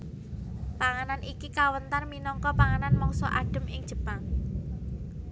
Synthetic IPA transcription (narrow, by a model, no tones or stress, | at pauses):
paŋananʔikikawənt̪arminɔŋkɔpaŋananmɔŋsɔ̰ʔaɖ̥ə̤mɪŋ̥ʒ̥ə̤paŋ